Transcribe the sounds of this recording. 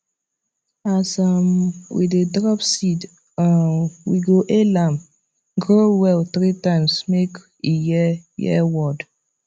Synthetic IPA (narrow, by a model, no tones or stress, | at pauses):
asamwḭdedɾɔpsid | awiɡoʔelam | ɡɾowɛltɾitãɪmsmek | ijɛjɛ̰wɔd